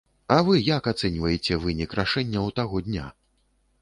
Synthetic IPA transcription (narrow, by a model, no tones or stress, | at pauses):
ɐvɨjakat̪sɛnʲvɐjet͡sʲɛvɨnʲikraʂɛnʲːɐwt̪aɣɔd̪ʲnʲa̰